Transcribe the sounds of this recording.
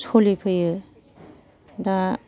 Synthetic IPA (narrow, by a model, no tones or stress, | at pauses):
sʰolipʰɯjɯ | da